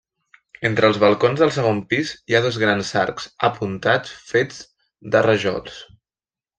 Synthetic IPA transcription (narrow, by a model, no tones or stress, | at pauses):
ent̪ɾəːlˠzβəlˠkonzðəlˠsəɣ̞ompiziaðɔzɣɾanza̰ɾkz̥əpʰunt̪at͡sfed͡z | d̪ərəʒɔ̰lˠs